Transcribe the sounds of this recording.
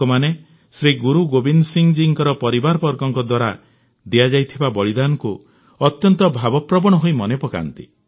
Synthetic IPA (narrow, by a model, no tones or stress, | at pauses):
ɔmane | sɾiɡuɾuɡobinsiŋd͡ʒiŋkɔɾɔpɔɾibaɾɔpɔɾɡɔŋkɔd̪waɾa | d̪iad͡ʒajt̪ʰibabɔɭid̪anɔku | ɔt̪jɔnt̪ɔbʱabɔpɾɔbɔɽ̃ɔɦoimɔnepɔka̰nt̪ḭ